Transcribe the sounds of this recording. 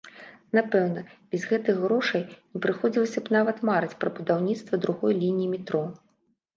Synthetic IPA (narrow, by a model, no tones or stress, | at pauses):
napɛwnɐbʲɛzɣɛt̪ɨjxɣɾɔʂɐjnʲipɾɨxɔd͡zʲilˠɐsʲɐbnavɐt̪maɾɨt͡sʲpɾɐbud̪awnʲit̪st̪vɐd̪ɾuɣɔjlʲinʲijːmʲit̪ɾɔ